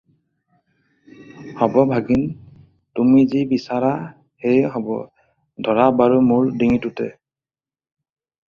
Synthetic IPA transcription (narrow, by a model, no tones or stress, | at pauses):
hɔbɔbʱaɡin | tumizibisaɹa | hejɦɔbɔ̰ | dʱɔɹabaɹumʊɹdiŋitʊtɛ